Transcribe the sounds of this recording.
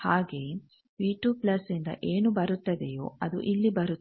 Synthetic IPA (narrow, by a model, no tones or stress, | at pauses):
haːɡe̞ː | ʋiːʈjuːpplɐsind̪ɐ̰ʔeːnubɐɾut̪ːɐd̪ejo̰ːɐd̪ṵʔilːibɐɾu